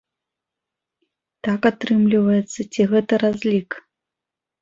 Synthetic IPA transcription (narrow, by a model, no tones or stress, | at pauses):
t̪akat̪ɾɨmlʲivɐjɛt̪sːɐt͡sʲiɣɛt̪ɐɾazʲlʲik